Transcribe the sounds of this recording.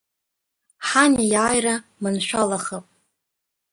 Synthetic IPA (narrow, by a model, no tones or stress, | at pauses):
ħanijaːjramɨnʃʷᶣalaχapʼ